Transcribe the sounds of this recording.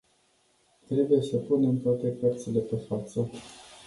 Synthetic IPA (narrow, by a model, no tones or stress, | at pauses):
t̪ɾe̞buje̞səpune̞mt̪oat̪e̞pərt̪sile̞pe̞fat̪sə